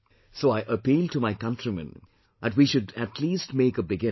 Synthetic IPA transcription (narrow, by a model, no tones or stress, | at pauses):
soːaɪʔəpiːlˠʈumaɪkʌ̃ntɹimɨ̰̃n | ðæʈwiːʃʊdæʈʰliːstmeɪkəbɪɡɪ̃